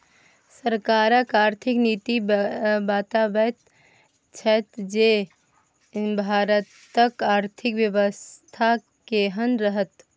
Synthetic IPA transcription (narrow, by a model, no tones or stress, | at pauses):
səɾkaɾəkaːɾt̪ʰiknit̪ibat̪abət̪ | t͡ʃʰət̪d͡ʒe | bʱaɾət̪əkaɾt̪ʰikʋjəʋəst̪ʰa | keɦənɾəɦət̪